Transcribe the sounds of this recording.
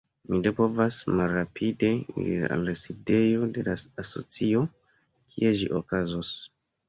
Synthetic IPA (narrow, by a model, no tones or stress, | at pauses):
minepo̞vasmalɾapʰide̞ḭɾḭa̰lːaside̞jo̞de̞laaso̞̰t͡sio̞ | kʰie̞ʒḭʔo̞kazos